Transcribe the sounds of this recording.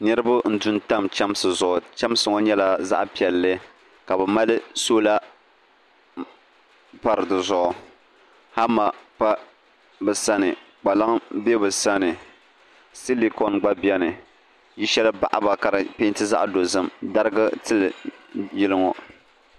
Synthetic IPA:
nɨ˦ɾɨ˦bʊ˦n̩˦dʊ˦nta˦mt͡ʃa˦m˦sɨ˨zʊ˨ʔʊ˨t͡ʃa˦m˦sɨ˨ŋɔ˦ɲɛ˦la˨za̰˦ʔpi˨ɛ˨lːɨ˦ | ka˨bɛ˨ma˦lɨ˦soː˦la˦ | pa˨ɾɨ˨dɨ˨zʊ˨ʔʊ˨ | ha˦ma˨pa˦ | bɨ˨sa˦nɨ˨ | k͡pa˨la˦ŋbe˦bɨ˨sa˦nɨ˨ | si˦li˦kɔ˨nɡ͡ba˦bi˦ɛ˦nɨ˨ | ji˦ʃɛ˦lɨ˦ba̰˦ʔa̰˦ba˨ka˨ɾɨ˨pe˦ntɨ˦za̰˦ʔdo˨zɨ˦mda˦ɾɨ˦ɡɨ˦tɨ˦lɨ˨jɪ˦lɨ˦ŋɔ˨

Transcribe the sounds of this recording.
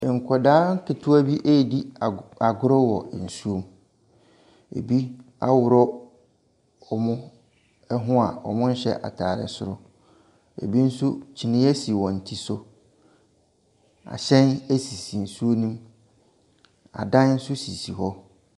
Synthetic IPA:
ŋ̩˨kʰɔ˨daː˦ŋ̩˦kʰɪ˨tʰʊ˦a˦bi˦ʔe˦˨di˦˨a˨ɡʊ˦ɾɔ˦wɔ̰˨n̩˨su˦o˦m | ḛ˨bi˦ | a˦wʊ˨ɾɔ˦ | ɔ˨mʊ̃˦ | ɛ˦ɦʊ̃˦a̰˨ɔ̰˨mʊ̃˦n̩˦ɕɛ̰˦ʔa̰˨tʰaː˨ɾɪ̰˨sʊ˦ɾʊ˦ | ḛ˨bi˦n̩˦sʊ˦t͡ɕʰi˨nɪ̃˦ɛ˦si˨wɔ̃˨n̩˨tʰi˨sʊ˨ | a̰˨ɕɛ̃˦ne˦si˨si˨n̩˨su˦o˦nĩ˦m | a̰˨dã˦n˦n̩˦sʊ˦si˨si˨hɔ˦

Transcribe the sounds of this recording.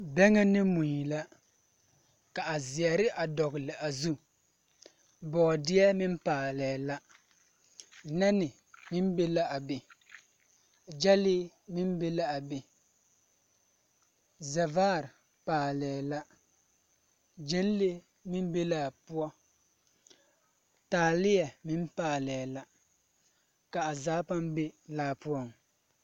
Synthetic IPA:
bɛ˦ŋɛ˦nɪ˦mu˨ɲi˨la˦ | ka˨ʔa˨zɪ˨ɛ˨ɾɪ˦ʔa˨dɔ˨ɣɪ˨lɪ˨ʔa˨zu˦ | bɔː˨dɪ˦ɛ˦mɪ˦mpaː˨lɛː˨la˦˨ | nɛ˦nɪ˨ | mɪ˦nbe˦la˦a˨be˨ | d͡ʒɛ˦lɪ˦ | mɪ˦nbe˦la˦a˨be˨ | za˨vaː˦˨ɾ | paː˨lɛ˨la˦ | d͡ʒɛ˦n˦le˦ | mɪ˦n˦be˦laː˦˨pu˦ɔ˦ | taː˨lɪ˦ja˨mɪ˦m˦paː˨lɛ˨la˦ | ka˨ʔa˨zaː˦pa˦m˦be˦laː˦pu˦ɔ˦ŋ˨

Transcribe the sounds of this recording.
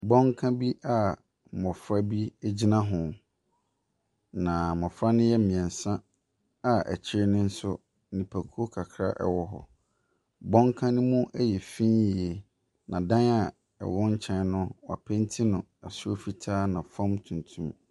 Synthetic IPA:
bɔ̃˦ŋkʰã˦bi˦ʔa˦˨ | mɔ̃˨fɾa˦bi˦ɛ˦d͡ʑi˦nã˦ɦʊ̃˨ | nã˨mɔ̃˨fɾa˦nɪ̃˦jɛ˦˨mĩ˨ɛ̃˨n˨sã˦ | a˨ʔɛ̰˨t͡ɕʰɪ˦ɾnɪ̃˦n̩˦sʊ˦ | nĩ˨pʰæ˨kʰu˦o˦kʰa˨kʰɾa̰˦ʔɛ̰˨wɔ˦ɦɔ̰˨ | bɔ̃˦ŋkʰã˦nʊ̃˦mũ˦ʔɛ˦jɛ˨fĩ˦nji˨e˨ | nã˨dã˦na˨ | ɛ̰˨wɔ˦ɲ̩˦t͡ɕʰɛ̃˦nʊ̃˦wa̰˨pʰɛ̃˦n˦tʰi˦nʊ̃˨ | a˨sʊ˦o˦fi˦tʰaː˦nã˨fɔ̃˦mtʰũ˨n˨tʰũ˦m

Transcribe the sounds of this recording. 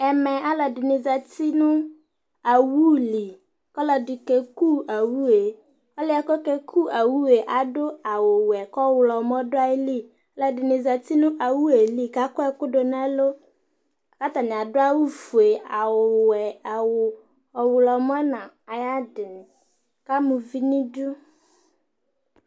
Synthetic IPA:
ɛ˨mɛ̃˨a˦lɔ˨dɪ˨nɪ̃˨za˨ti˦nʊ̃˦ | a˨wu˦li˨ | kɔ˦lɔ˨dɪ˨kɛ˨ku˦a˨wu˦e˨ | ɔ˦lɪ˦a˨kɔ˦kɛ˦kʰu˦a˨wu˦e˨ʔa˨dʊ˦a˨wʊ˨wɛ˨kɔ˦wʊ˨lɔ˨mɔ˦dʊ˦a˦ɪ˦li˦ | ɔ˦lɛ˨dɪ˨nɪ̃˨za˨t̪i˦nʊ̃˦ʔa˨wu˦e˨li˦ka˦kʊ˦ɛ˦kʊ˦do˨na˦lo˦ | a˨ka˦t̪a˨nɪ˨a˨dʊ˦a˦wu˦fu˨e˨a˨wʊ˨wɛ˨a˨wʊ˨ | ɔ˨wʊ˨lɔ˨m˦ɔ˦nã˨ | a˨ja˦dɪ˨nɪ˨ | ka˦mʊ̃˨vi˦nĩ˦dʊ˦

